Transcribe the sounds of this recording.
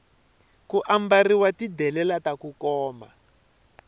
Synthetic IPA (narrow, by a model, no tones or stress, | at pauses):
kuʔambariwatidɛlɛlatakukɔːma̰